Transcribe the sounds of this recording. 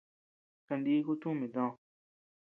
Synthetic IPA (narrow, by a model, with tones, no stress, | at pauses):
ka˧nd̪i˦ku˦t̪ũ˦˨mĩ˨d̪ɔ̃˦˨